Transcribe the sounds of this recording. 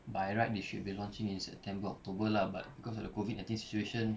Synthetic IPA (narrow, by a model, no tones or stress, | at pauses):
bajɹat̚weʃud̚bilɔ̃nt͡ʃĩŋĩnsɛ̰p̚tʰɛ̃mbəɔ̰k̚tobəlaba̰t̚bikɔs̬ɔfdəkovit̚nãɪ̃tĩnsi̥t͡ʃueʃə̃n